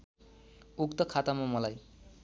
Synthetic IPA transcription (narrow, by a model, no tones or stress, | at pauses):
ukt̪ʌkʰat̪amamʌlaj